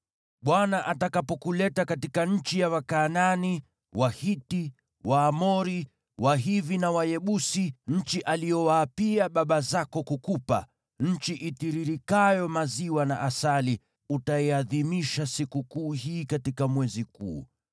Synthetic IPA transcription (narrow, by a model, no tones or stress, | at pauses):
ɓwanaʔatakapɔkulɛtakatikaɲ̩t͡ʃijawakaːnani | wahiti | waːmɔɾi | waɦivinawajɛɓusiɲ̩t͡ʃiʔalijɔwaːpiaɓaɓazakɔkukupa̰ | ɲ̩t͡ʃiʔitiɾiɾikajɔmaziwana̰ʔasali | utaɛaðimiʃasikukuːɦiːkatikamwɛzikṵː